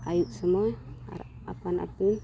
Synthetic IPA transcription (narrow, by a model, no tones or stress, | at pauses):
ajuʔsəmɔa̰ | a̰pana̰pin